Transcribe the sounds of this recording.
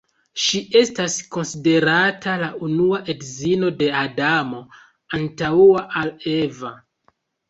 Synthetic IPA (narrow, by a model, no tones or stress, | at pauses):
ʃiʔe̞stasko̞nside̞ɾatʰalaʔunuaʔe̞dzino̞de̞adamo̞ | antauaʔale̞va